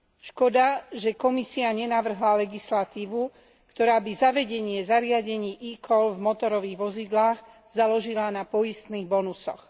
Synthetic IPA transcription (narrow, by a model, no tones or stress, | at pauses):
ʃkɔd̪aʒɛkɔmisiaɲɛnaʋr̩ɦlalɛɡislat̪iːʋu | kt̪ɔɾaːbizaʋɛɟɛɲɪɛzaɾɪaɟɛɲiːʔikɔlvmɔt̪ɔɾɔʋiːɣʋɔzid̪laːɣ | zalɔʒilanapɔjist̪niːɣbɔnusɔ̰x